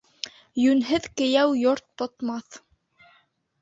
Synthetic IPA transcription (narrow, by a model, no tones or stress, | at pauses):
jʉnɦɘðkɘ̆jæwjoɾt̪ːŏt̪mɑθ